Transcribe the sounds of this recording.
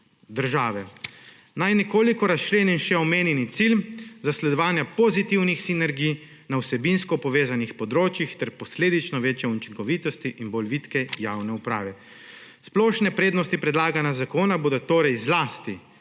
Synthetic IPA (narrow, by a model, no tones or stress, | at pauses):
d̪əɾʒaːʋɛ | najnɛkoːlikɔɾast͡ʃleːninʃɛɔmeːnjɛnit̪silzaslɛd̪ɔʋaːnjapɔzit̪iwnixsinɛɾɡij | nawsɛbinskɔpɔʋeːzanixpɔd̪ɾoːt͡ʃjixt̪ɛɾpɔsleːd̪it͡ʃnɔʋeːt͡ʃjɛunt͡ʃiŋkɔʋit̪ɔst̪iʔinbɔlʋit̪kɛjawnɛupɾaːʋɛ | splɔːʃnɛpɾeːd̪nɔst̪ipɾɛd̪laːɡanjazakoːnaboːd̪ɔt̪oːɾɛjzlaːst̪i